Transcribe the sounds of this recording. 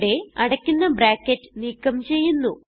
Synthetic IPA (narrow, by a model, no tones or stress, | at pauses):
ɽe̞ɐɽɐkʲːunːɐbɾaːkːetːɨ̥niːkːɐmt͡ɕe̞jːunːu